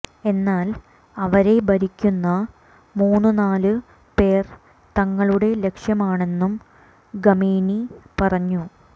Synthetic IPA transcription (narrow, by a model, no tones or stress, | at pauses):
e̞nːaːl | ɐʋɐɾe̞bɐɾikʲːunːɐ | muːnːɨnaːlɨ | pe̞ːr | t̪ɐŋːɐɭuɽe̞le̞kʂjɐmaːɳe̞nːum | ɡɐmiːnipɐrɐɲːu